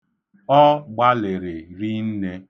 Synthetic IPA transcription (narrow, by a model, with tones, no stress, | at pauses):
ɔ˦ɡ͡ba˦le˨ɾe˨ɾi˦n̩˦ne˦